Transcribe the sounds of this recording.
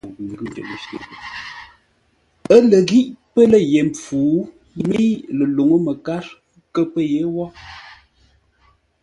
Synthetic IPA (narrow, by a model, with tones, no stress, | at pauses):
ŋ˨ɡʉ˦˨d͡ʒə̰˨ʔʃḛ˨ | ə˦lə˨ɣi˦ʔpə˦lə˦˨je˨mp͡fuː˨˦ | mi˦lə˨lo˨ŋə˦mə˨ka˦ɾ | kə˦pə˦je˨˦wɔ˦